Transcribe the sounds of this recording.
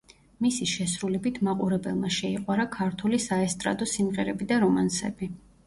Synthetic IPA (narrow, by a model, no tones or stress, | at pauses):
misiʃɛsɾulɛbit̪ʰmaqʼuɾɛbɛ̰lˠmaʃɛiqʼwaɾakʰaɾt̪ʰulisaɛst̪ʼɾa̰d̪ɔsimʁɛɾɛbid̪aɾɔmansɛ̰bi